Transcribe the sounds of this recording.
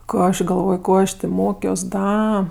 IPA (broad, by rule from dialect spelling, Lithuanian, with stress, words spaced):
ˈkoː ɐʃ ɡɐˈlˠʋoːj ˈkoː ɐʃ tʲeː ˈmoːkʲoːs ˈdɐ